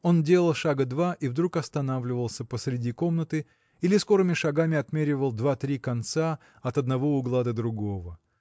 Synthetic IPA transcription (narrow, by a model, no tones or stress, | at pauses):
o̞ndʲe̞lˠəlˠʂaɡəd̪vaʔivd̪ɾukɐst̪ɐnavlʲɪvəlˠsʲəpəsɾʲɪdʲiko̞mnət̪ɨ | ilʲɪsko̞ɾɨmʲɪʂɐɡamʲɪɐt̪mʲeɾʲɪvəlˠd̪vat̪ɾʲikɐnt̪sa | ɐt̪ɐd̪nɐvo̞ʊɡlˠad̪əd̪ɾʊɡo̞və